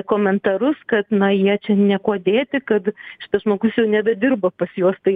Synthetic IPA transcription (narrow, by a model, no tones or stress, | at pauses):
koːmʲɛnt̪ɐɾʊskɐt̪nɐjiɛt͡ʃʲɛnʲɛkoːd̪ʲeːt̪ʲɪkɐt̪ʃʲɪ̥t̪ɐsʒmoːɡʊsjɛʊnʲæːbʲɛd̪ʲɪrbɐpɐsjoːst̪ɐɪ